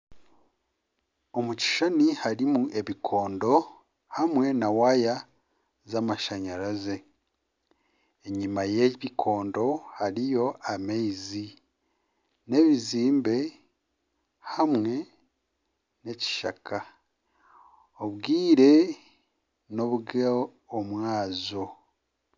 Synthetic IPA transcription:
omuci̥ʃanihaɾimuʔe̞βikʰo̞ːndo̞ | hamŋe̞nawaja | zamaʃaɲaɾaze̞ | eɲimajeβikʰo̞ːndo̞haɾijo̞ameizi | ne̞βiziːmbe̞ | hamŋe̞ | ne̞ci̥ʃa̰ka | oβɡiːɾe̞ | no̞βuɡaː | mwaːzo̞

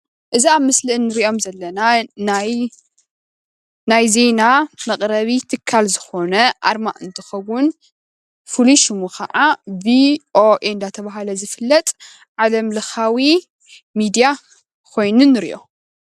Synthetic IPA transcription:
ʔɨziaβmːɨslɨʔɨnːɨɾiʔo̞mzɐlːɐnanaj | najze̞namɐqʼɾɐβit̪ʰɨkʰːalzɨxo̞nɐʔa̰ɾma̰ʔɨnt̪ʰɨ̥xɐwːʊn | fuluʃɨmukʰɐʕaviʔoʔeɨnd̪at̪ʰɐβaɦalɐzɨfɨlːɐt̪ʼ | ʕalɐmlɨxawi | mid̪ija | kʰo̞jnunːɨɾḭʔo̞̰

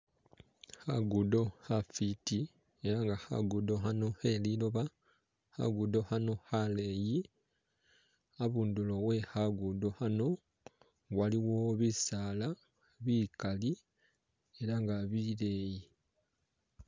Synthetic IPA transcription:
haɡudo̞hafiti | e̞ɾaŋɡaha̰ɡudo̞hano̞he̞liloβa | ha̰ɡudo̞hano̞hale̞ji | aβuːndulo̞we̞haɡudo̞hano̞ | waliwo̞βisaːla | βikali | e̞ɾaŋɡaβile̞ːji

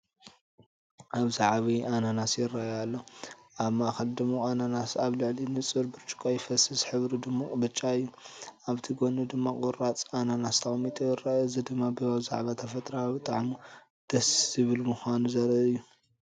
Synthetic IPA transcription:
ʔaβzaʕβiʔananasjɪrːajalːoʔaβmaxɐld̪ɨmːoʔananasaβlɨʕlinɨt͡sʼɨɾbɨɾt͡ʃʼɨ̥kʼojfɐsɨsħɨβɾid̪ɨmːabɨt͡ʃʼːaɨjːuaβt̪ʰiɡonud̪ɨmːakʼuɾat͡sʼananast̪ʰɐxʼmit̪ʼujɪrːaozɨd̪ɨmːabɨβaβza̰ʕβat̪ʰɐfɐt̪ʼɾabɨt̪ʼaʕmu | d̪̥ɐszɨβɨlmuxʷanuzɐɾɐɨjːu

